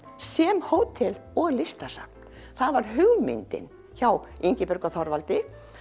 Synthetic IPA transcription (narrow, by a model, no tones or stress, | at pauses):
sɛmhoːwt̪ʰɛlɔɣlɪst̪asa̰pn̥ | θaðvaɾ̥ɦʏɣlmɪ̰nt̪ɪ̰n | çawiɲcɪpœɾkaθɔɾvalt̪ɪ